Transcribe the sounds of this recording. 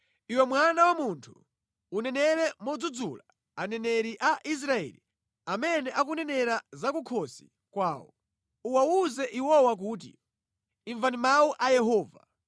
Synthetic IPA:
iwɛmwanawamuntʰu̥ː | nɛnɛɾɛmɔd͡zud͡zula | anɛnɛɾiʔaʔis̬ɾaɛ̰lḭ | amɛnɛʔak̬unɛnɛɾazakukʰɔsi̥̰ | kwaːwɔ̰ | uwauzɛʔiwɔwak̬uːt̬ḭː | ɱvandimawuʔajɛɦɔːva̰

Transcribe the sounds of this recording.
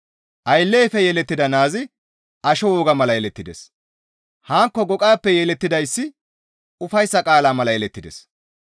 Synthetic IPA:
ʔɐjlːeːfɛjɛlɛt̪ːɪd̪ɐnaːzɪ | ʔɐʃɔwɔːɡɐmɐlɐjɛlɛt̪ːɪd̪ɛs | haːŋkːɔɡɔkʼaːpːɛjɛːlɛt̪ːɪd̪ɐjsːɪ | ʊfɐjsːɐkʼaːlaːmɐlɐjɛlɛt̪ːɪd̪ɛ̰s

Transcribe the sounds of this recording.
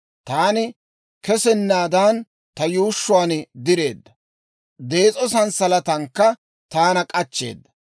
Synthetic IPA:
t̪aːnɪ | kɛsɛnːaːd̪an | t̪ɐjuːʃːʊwaːnɪd̪ɪɾe̞̰ːd̪ːɐ | d̪e̞ːt͡sʼɔsɐnsɐlɐt̪ɐŋkːɐ | t̪aːnɐkʼɐt͡ʃːe̞̰ːd̪ːɐ

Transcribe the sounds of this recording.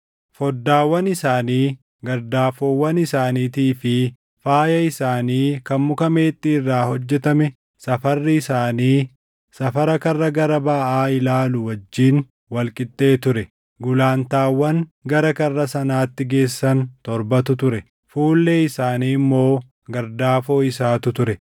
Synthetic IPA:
fɔd̪ːaːwːɐnɪsaːniː | ɡɐɾd̪aːfowːɐnɪsaːniːt̪iːfɪ | faːjɐɪsaːniːkɐmmʊkɐme̞ːt̪ʼːiːrːaːhɔd͡ʒːɛt̪ɐmɛ | sɐfɐrːɪɪsaːniː | sɐfɐɾɐkɐrːɐɡɐɾɐbɐʔaːɪlaːlʊwɐd͡ʒːiːn | wɐlkʼɪt̪ʼːe̞ːt̪ʊɾɛ | ɡʊlaːnt̪aːwːɐŋɡɐɾɐkɐrːɐsɐnaːt̪ːɪɡe̞ːsːɐnt̪ɔɾbɐt̪ʊt̪ʊɾɛ | fuːlːeːɪsaːniːmːo̞ː | ɡɐɾd̪aːfo̞ːɪsaːt̪ʊt̪ʊɾɛ

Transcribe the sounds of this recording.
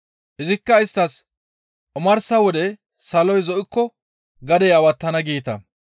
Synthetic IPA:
ʔɪzɪkːɐɪst̪ːɐs | ʔʊmɐɾsɐwɔd̪ɛ | sɐlɔjzɔʔɪkːɔ | ɡɐd̪ɛjɐwɐt̪ːɐnɐɡiːt̪ɐ̰

